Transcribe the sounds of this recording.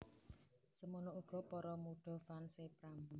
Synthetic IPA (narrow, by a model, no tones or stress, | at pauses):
səmunoʔuɡ̥ɔ̤pɔɾɔmuɖ̥ɔ̤fansepɾam